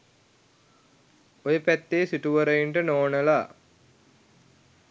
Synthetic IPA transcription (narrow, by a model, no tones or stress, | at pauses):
ojəpæt̪ːeːsiʈuʋəɾəiɳʈənoːnəla